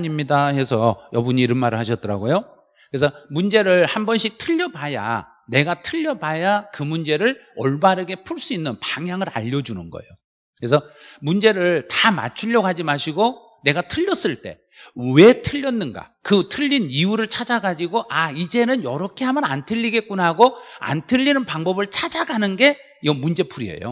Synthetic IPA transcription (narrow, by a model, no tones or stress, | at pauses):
ɲimɲidahe̞sʰʌjʌbuɲiːɾɯnmaɾɯɭhaɕʰʌt͈̚ʌɾa̰ɡojo | kɯɾes̬ʰʌmund͡ʑe̞ɾɯɭhambʌnɕʰik̚tʰɯʎːʌbaja̰ | ne̞ɡatʰɯʎːʌbajakɯmund͡ʑe̞ɾɯɭʌɭbaɾɯɡe̞pʰuɭs͈uinːɯnpaŋɦjaŋɯɾa̰ʎːʌd͡ʑunɯnɡʌ̰ejo | kɯɾesʰʌmund͡ʑe̞ɾɯɭtama̰t͡ɕʰuʎːʌɡad͡ʑimaɕʰiɡo | ne̞ɡatʰɯʎːʌs͈ɯɭt͈e̞̰ | we̞tʰɯʎːʌnːɯnɡa̰kɯtʰɯʎːiniuɾɯɭt͡ɕʰad͡ʑaɡad͡ʑiɡoʔaid͡ʑe̞nɯnjʌɾʌkʰe̞ɦamjʌna̰ntʰɯʎːiɡe̞k͈unɦaɡoa̰ntʰɯʎːinɯnpaŋbʌbɯɭt͡ɕʰad͡ʑaɡanɯnɡe̞ | iɡʌmund͡ʑe̞pʰuɾiḛjo̰